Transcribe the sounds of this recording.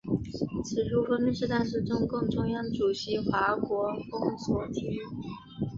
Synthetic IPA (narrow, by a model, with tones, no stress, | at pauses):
t͡s̩ʰ˧˩ɻu˧˥xə˧˥mi˥˧ʂɻ̩˥˧t̪a˥˧nʂ̬ɻ̩˥˩ʈ͡ʂʊ˥ŋkʊ˥˩ŋʈ͡ʂʊ˥˧ŋjɑ˥˩ŋʈ͡ʂu˨˩ɕi˧˥xwa˧˥kwɔ˧˥fʊ˥ŋswɔ˨˥˩t̪ʰi˧˥˩